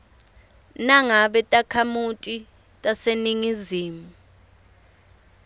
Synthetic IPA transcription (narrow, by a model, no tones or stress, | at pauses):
naŋaɓɛtʼakʰamutʼi | tʼaseniŋiziːmu